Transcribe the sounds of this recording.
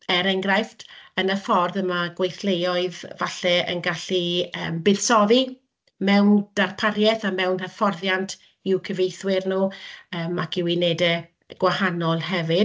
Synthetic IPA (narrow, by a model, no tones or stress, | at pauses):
ɛɾɛŋɡrajftʰənəfɔrðəmaɡwejθlejɔɨðvaɬɛə̰nɡaɬiə̰ːmbɨð̥sɔði | mɛwnd̥arpʰarjɛθamɛwnhɛfɔrðjantʰ | ɪwkʰəvejθwɪrnuːəːmakʰɪwɪnɛdɛ | ɡ̥wahanɔlˠhɛvɪ